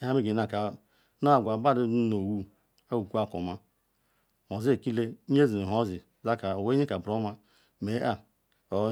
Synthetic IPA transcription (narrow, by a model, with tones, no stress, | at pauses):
a˦me˦ɡi˨na˨ka˨ | no˦a˨ɡʷa˨ba˦ɾi˦u˦no˨wu˦ | a˦wu˨ku˦a˦˨ko˨ma˦ | mo˨zi˦e˨ki˦le˦ɲ˦e˦zi˨o˦zi˨ | za˦ka˨o˨we˦ɲe˦ka˨bɾo˦ma˦ | me˨˦a˦ | o˨˦